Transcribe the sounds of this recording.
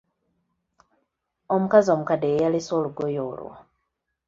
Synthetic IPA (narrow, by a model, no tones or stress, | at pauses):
omukazio̞mukadejaliso̞ːluɡojoːlwa̰